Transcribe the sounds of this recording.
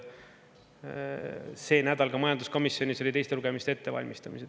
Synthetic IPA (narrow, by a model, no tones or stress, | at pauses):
se̞ːnæd̪̥ɑlkɑmɑjɑnd̪usko̞misːjo̞nʲiso̞lʲit̪ejst̪e̞luɡ̥e̞mist̪ee̞t̪ːe̞vɑ̰lʲmist̪ɑmise